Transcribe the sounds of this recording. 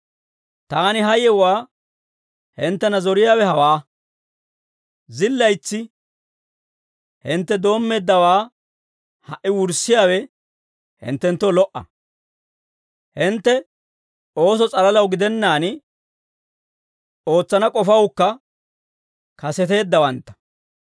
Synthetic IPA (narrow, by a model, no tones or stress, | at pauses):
t̪aːnɪɦɐjɛwaː | hɪnt̪ːɛnɐzɔɾɪjaːwɛhɐwaː | zɪlːɐjt͡sːɪ | hɪnt̪ːɛd̪o̞ːmːe̞ːd̪ːɐwaː | hɐʔɪwʊɾsːɪjaːwɛ | hɪ̰nt̪ːɛnt̪ːɔlɔʔɐ̰ | hɪnt̪ːɛ | o̞ːs̬ɔt͡sʼɐlɐlɐwɡɪd̪ɛnːaːn | o̞ːt͡sːɐnɐkʼɔfɐwkːɐ | kɐsɛt̪e̞ːd̪ːɐwɐnt̪ːɐ̥